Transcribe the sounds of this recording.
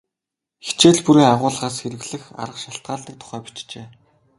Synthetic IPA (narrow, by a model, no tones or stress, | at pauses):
xe̥t͡ɕeːɮpuɾiːaʁʊːɮʁaːsxeɾɘ̆ɣɮɘ̆xa̰ɾə̆qʃaɬt̪̚ɢaːɮiːk̚t̪ʰʊ̥χæːpi̥t͡ɕt͡ɕeː